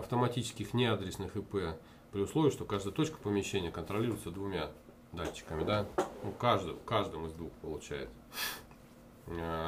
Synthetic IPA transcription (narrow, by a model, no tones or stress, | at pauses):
ɐft̪əmɐtʲit͡ɕɪ̥skʲɪxnʲɪad̪ɾʲɪsnɨxɨpɛ | pɾʲɪʊslˠo̞vʲɪʂt̪o̞kaʐd̪əjət̪o̞t͡ɕkə̥pəmʲɪɕːenʲɪjəkənt̪ɾɐlʲiɾʊɪt̪səd̪vʊmʲa | d̪at͡ɕːɪ̥kəmʲɪd̪anukaʐd̪ɨkaʐd̪ɨmɨzd̪vuxpəlˠʊt͡ɕæ̰jɪ̰t̪sə